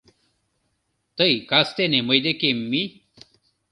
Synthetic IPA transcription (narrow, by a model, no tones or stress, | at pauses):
t̪ɐikast̪enemɐid̪ekemːi